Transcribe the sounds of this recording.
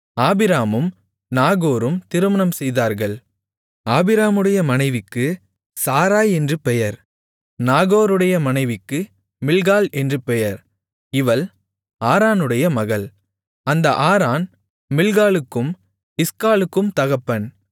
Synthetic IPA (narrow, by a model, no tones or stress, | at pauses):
aːbɪɾaːmɯm | naːɣoːɾɯmt̪ɪɾɯmɐɳɐmsɛjðaːɾɣɐɭ | aːbɪɾaːmɯɽɐjɐmɐnɐɪʋɪkːɯ | saːɾaːjɛndrɯpɛjɐɾ | naːɣoːɾɯɽɐjɐmɐnɐɪʋɪkːɯ | mɪlɣaːlɛndrɯpɛjɐɾ | ɪʋɐl | aːɾaːnɯɽɐjɐmɐɣɐɭ | ɐnd̪ɐ̰ʔaːɾaːn | mɪlɣaːlɯkːɯm | ɪskaːlɯkːɯmt̪ɐɣɐpːɐn